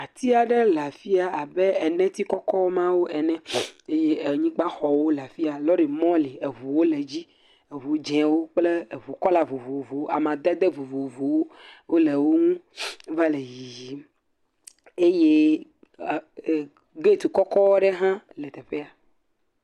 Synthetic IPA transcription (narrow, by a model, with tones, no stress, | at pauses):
a˨t̪i˦a˨ɖɛ˦la˨fi˦a˨a˨bɛ˦ɛ˨nɛ̃˦t̪i˦kɔ˦kɔ˦wɔ˦mã˦wo˦ɛ˨nɛ̃˦e˦je˦˨ɲĩ˦ɡ͡ba˦xɔ˨wo˦la˨fi˦a˨lɔ˦ɖe˨mɔ̃˦li˨e˨vu˨wo˦le˨d͡ʑi˦ | e˨vu˨˦d͡ʒɛ̃˨wo˦k͡ple˦˨vu˨kɔ˦la˨vu˨vo˨vo˨wo˦a˨mã˨d̪ɛ˦d̪e˦vu˨vo˨vo˨wo˦wo˦le˨wo˦ŋũ˦va˦le˨ji˨ji˨˦ | e˦je˦˨ | ɡe˦˨t̪u˨kɔ˦kɔ˦wɔ˦ɖɛ˦ɦã˦lɛ˨t̪ɛ˨ɸe˦a˨